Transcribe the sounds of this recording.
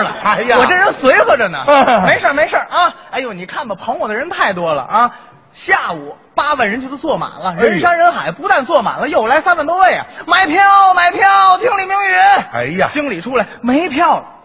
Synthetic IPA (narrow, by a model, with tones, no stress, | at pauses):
wɔ˨˩ʈ͡ʂə˥˩ɻə˧˥nswe˧˥ɪxɤ˧˥ʈ͡ʂə˨˩nə̰˩me˧˥ɪʂə˞˥˩me˧˥ɪʂə˞˥˩ʔɐ˥˧˥ɪjo˧˩ʊni˨˩kʰa˥˩nbə˨˩pʰɤ˧˥ŋwɔ˨˩d̪ə˦˧ɻə˧˥nt̪ʰa˥˩ɪt̪wɔ˥lə̰˨ʔɐ˥˩ | ɕja˥˩u˨˩˦ | pa˥wə˨˩nɻə˧˥nt͡ɕʰə˧˥t͡swɔ˥˩ma̰˨˩˦nlə˦ɻə˧˥nʂa˥nɻə˧˥nxa˨˩˦ɪpu˧˥t̪a˥˧nt͡swɔ˥˩ma̰˨˩nlə˦jo˥˩ʊla˧˥ɪsa˥nwə˧nt̪wɔ˥we˥˩ɪɐ̰˩ma˧˥˩ɪpʰjɑ˥˩ʊma˧˩ɪpʰjɑ˥˩ʊt̪ʰi˧˥ŋli˨˩mi˧˥ŋy˧˥˧t͡ɕi˥ŋli˨˩ʈ͡ʂʰu˥la˧˦ɪme˧˥ɪpʰjɑ˥˩ʊ